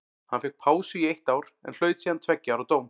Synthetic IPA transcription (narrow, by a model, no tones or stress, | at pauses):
hanfɪk̚pʰaːwsʏiejht̪aːwɾɛ̰nl̥œːɥt̪siːant̪ʰvɛcːɪaawɾawt̪oːwm